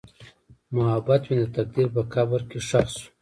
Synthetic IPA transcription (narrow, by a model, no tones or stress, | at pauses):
mʊɦabat̪wind̪at̪ak̚d̪iɾpakabəɾkeʂaxsu̥